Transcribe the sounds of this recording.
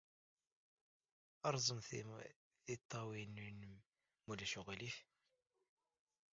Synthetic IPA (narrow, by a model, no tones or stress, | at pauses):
ɑɾˤzˤəm | θit̪ˤːɑwinn | mulæʃʊɣælif